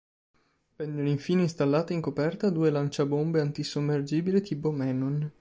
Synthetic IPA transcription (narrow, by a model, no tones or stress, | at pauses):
pɛnːoliɱfiːneinst̪alːaːt̪eiŋkopɛrt̪ad̪uːelant͡ʃabombeant̪isomːerd͡ʒiːbilet̪iːpomɛnon